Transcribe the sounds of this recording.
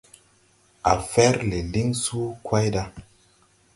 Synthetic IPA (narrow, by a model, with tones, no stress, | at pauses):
a̰˨fɛ˦ɾle˨li˦ŋsu˦kwa˦jɗa˦